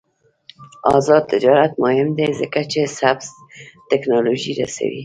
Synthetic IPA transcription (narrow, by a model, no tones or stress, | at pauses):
ɑzɑd̪̚t̪ːɪd͡ʒɑɾat̪̚mʊhɪmd̪ezəkat͡ʃesabz | t̪ɪknɑloʒiɾa̰sa̰wḭ